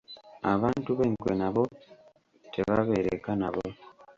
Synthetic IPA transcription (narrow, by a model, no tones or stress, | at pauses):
aβaːntuβeŋkwenaβo | tʰeβaβeɾekanaβo